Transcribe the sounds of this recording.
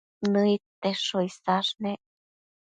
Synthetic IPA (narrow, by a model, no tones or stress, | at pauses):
nɨit̪ːeʂoisaʂne